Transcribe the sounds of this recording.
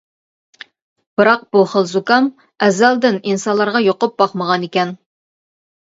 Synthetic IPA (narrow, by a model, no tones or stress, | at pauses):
b̥ɨɾɑq̚b̥uχəlˠzukɑm | ɛzælˠd̪ɪninsɑnlˠɑɾʁɑjoqʊp̚bɑχməʁɑnikʲɛn